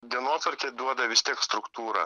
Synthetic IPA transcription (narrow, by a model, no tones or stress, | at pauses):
d̪ʲiɛnoːt̪ʋɐɾʲkʲeːd̪uɔd̪ɐʋʲɪst̪ʲiɛkst̪ɾʊkt̪uːɾɐ̰ː